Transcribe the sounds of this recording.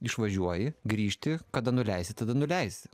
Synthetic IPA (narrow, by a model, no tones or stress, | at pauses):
ɪʃʋɐʒʲuɔjɪɡɾʲiːʃʲt̪ʲɪkɐd̪ɐnʊlʲɛɪsʲɪt̪ɐd̪ɐnʊlʲɛɪsʲɪ